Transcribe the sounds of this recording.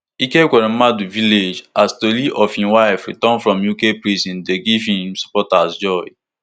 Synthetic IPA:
ikeɡʷɛɾĩmaduviled͡ʒastoliʔɔfhĩwaɪfɹitɔ̃nfɹɔ̃mjukepɹisĩndeɡivhĩmsu̥pɔtasd͡ʒɔj

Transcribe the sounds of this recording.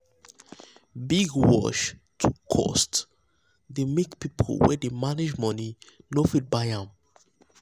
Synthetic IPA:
biɡwɔ̰ʃ | tʰukʰɔ̰st | demekpipʰo̰lwɛ̰demaned͡ʒmɔninofit̚baɪãm

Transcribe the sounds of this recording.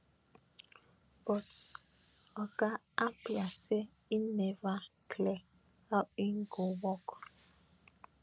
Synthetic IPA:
bɔt | ɔka | apjase | inevakʰlɛ | aiŋ̩ɡowɔk

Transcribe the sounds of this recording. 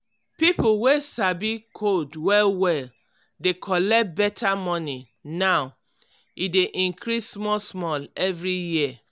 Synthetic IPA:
pipuwesabikʰodwɛlwɛl | dekʰɔlɛt̚bɛtʰamɔ̃ni | naw | ideʔĩŋkʰɾismɔsmɔlɛvɹiji

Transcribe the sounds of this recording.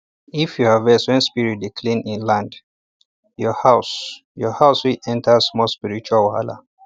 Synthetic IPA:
ifjuhavɛswɛ̃nspiɹit̚dikʰlĩnĩnlãnd | jɔhaʊs | jɔhaʊswilɛ̃ntʰəsmɔspiɹit͡ʃualwalə̰

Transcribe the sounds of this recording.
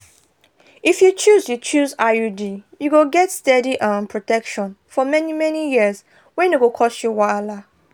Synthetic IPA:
ifjut͡ʃuzjut͡ʃuzajudijuɡoɡɛtstɛdiʔɔ̃npʰɹɔtɛkʃɔ̃nfɔmɛnimɛnijiz | wɛ̃nuɡokʰɔsjuwala

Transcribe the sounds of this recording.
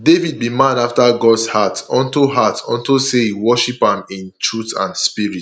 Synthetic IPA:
devid̚bimãnaftaɡɔdshatɔ̃ntuɦatɔ̃ntusewɔʃipãmĩntʰɹutã̰nspiɹit

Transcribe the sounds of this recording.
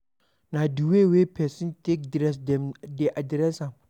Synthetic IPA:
naduwewepɛsɪntek̚dɾɛs̬dɛmdeʔadɾɛsam

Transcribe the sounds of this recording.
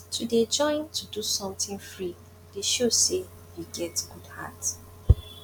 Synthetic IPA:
tʰuded͡ʒɔ̃ɪ̃ntʰudusɔ̃mtĩnfɹi | deʃose | jiɡɛtɡ̥udha̰t

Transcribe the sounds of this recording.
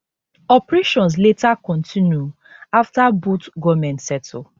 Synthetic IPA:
ɔpɹeʃɔ̃ns̬letakɔ̃ntʰĩnju | aftabutɡɔmɛ̃ntsɛtʰ

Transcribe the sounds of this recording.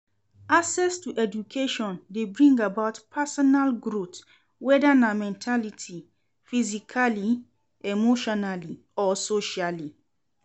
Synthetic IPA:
asɛstuʔɛd͡ʒukʰeʃɔ̃ndebɹĩŋɡabaʊtpʰɛsɔnalɡɾut | wɛdanamɛ̃ntʰalitʰi | fizikʰali | emoʃɔnali | ɔsoʃali

